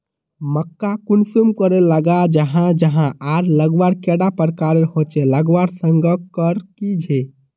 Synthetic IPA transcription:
məkːakunsumkəɾeləɡad͡ʒəɦãd͡ʒəɦãʔaɾləɡwaɾkeɽapəɾkaɾeɾhot͡ʃeləɡwaɾsəŋɡəkəɾkid͡ʒʱe

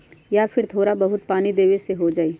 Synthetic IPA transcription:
japʰɪɾt̪ʰoːɾabɐɦʊt̪̚paːnid̪eːʋeseɦod͡ʒaːeː

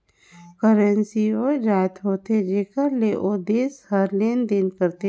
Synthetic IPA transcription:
kəɾə̃nsioːd͡ʒaːɪt̪ɦoːt̪ed͡ʒeːkəɾleʔoːd̪eːshəɾleːnd̪enkəɾt̪e

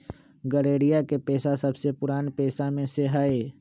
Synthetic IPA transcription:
ɡəɾeːɽijakepeːsasɐbsepʊɾaːnpeːsamẽseɦaːeː

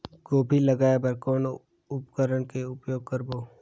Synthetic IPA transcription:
ɡoːbʱiləɡaːebəɾkɔːno | ʊpkəɾəɳkeʊpjoːɡ̚kəɾboː

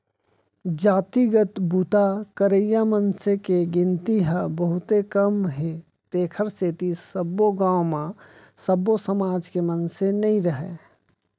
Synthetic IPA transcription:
d͡ʒaːt̪iɡət̪but̪akəɾəjamənsekeɡɪ̃nt̪iɦəbəɦʊt̪ekəmɦe | t̪eːkʰəɾseːt̪isəbːoɡãːwmã | səbːosəmaːd͡ʒkemənsenɐɦĩɾəɦeː

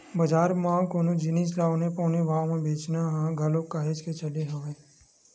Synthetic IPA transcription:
bəd͡ʒaːɾmãːkoːnũd͡ʒɪnid͡ʒlaːʋnepɔːneʋãːmẽbʱeːt͡ʃnaɦãɡʱɐlokaːɦed͡ʒket͡ʃɐleɦoʋẽː

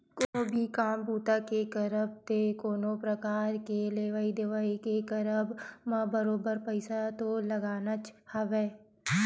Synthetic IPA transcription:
koːbʱikaːmbuːt̪akekəɾəb̚t̪ekoːnopɾəkaːɾkeleːʋaːid̪ɪʋaːikekəɾəbmãbəɾoːbəɾpəɪsat̪olɐɡaːnat͡ʃhɐʋeː

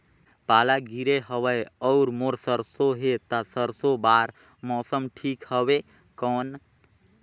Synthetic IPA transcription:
palaɡiɾeɦəʋəjɔʊɾmoɾsəɾsoɦet̪asəɾsobaɾ | mɔsəmʈʰikhəbe | kɔn

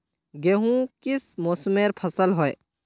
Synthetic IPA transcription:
ɡeɦũkɪsmoːsmeːɾpʰɐsəlɦoe

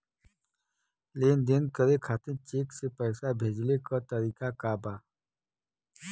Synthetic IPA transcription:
leːnd̪enkəɾekʰaːt̪ẽt͡ʃeːksepɛːsabʱeːd͡ʒlekət̪əɾiːkakabaː

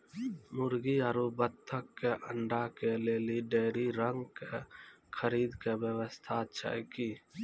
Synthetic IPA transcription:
mʊɾɡiəɾubət̪ʰːəkːeʔəɳɖakeleːliɖeːɾiɾəŋɡkekʰəɾiːd̪keʋjəʋəst̪ʰat̪t͡ʃʰə̰kiː

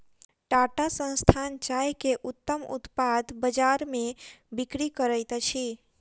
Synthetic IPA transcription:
ʈaʈasə̃nst̪ʰant͡ʃajkeʔut̪ːəmṵt̪pad̪bəd͡ʒaɾmẽbikɾikəɾəjt̪t͡ʃʰi

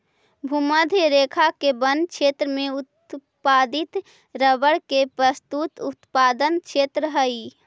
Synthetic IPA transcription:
bʱuməd̪ʱɾeːkʰakebə̃nd̪̚kt͡ʃʰeːt̪ɾəmẽʊt̪̚ | paːd̪ɪt̪ | ɾəbəɽkepɾəst̪ut̪ʊt̪paːd̪ənt͡ʃʰeːt̪ɾəɦəi

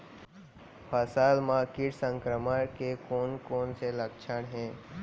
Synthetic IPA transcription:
pʰəsalmãkiʈsə̃ŋkɾəmakekoːnkoːnseləkt͡ʃʰəɳɦẽː

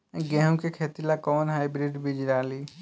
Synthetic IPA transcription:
ɡɛ̃ɦũkekʰet̪ilakɔːnɦajbɾiɖbid͡ʒɾaːli

